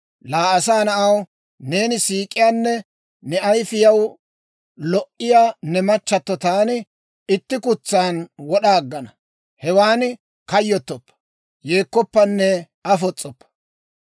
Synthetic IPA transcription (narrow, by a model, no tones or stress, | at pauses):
laːɐsaːnɐʔɐw | ne̞ːnɪsiːkʼːɪjaːnːɛ | nɛɐjfɪjɐw | lɔʔɪjaːnɛmɐt͡ʃːɐt̪ːɔt̪aːnɪ | ɪt̪ːɪkʊt͡sːaːnwɔɗaːɡːɐnɐ | hɛwaːn | kɐjːɔt̪ːɔpːɐ̥ | jeːkːɔpːɐnːɛ | ɐfɔt͡sʼːɔpːɐ̥